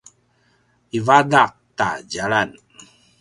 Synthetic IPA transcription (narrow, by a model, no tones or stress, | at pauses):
ivadaq̚ta̰d͡ʒaɭan